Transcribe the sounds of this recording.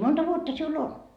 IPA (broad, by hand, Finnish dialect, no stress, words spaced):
montɑ ʋuotːɑ siul on